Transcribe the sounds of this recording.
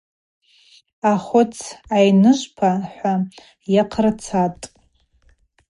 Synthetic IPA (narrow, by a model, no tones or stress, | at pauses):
aχʷʊt͡sʰajnɨʒʷpʰaħʷa | jaqʰrt͡sʰatʼ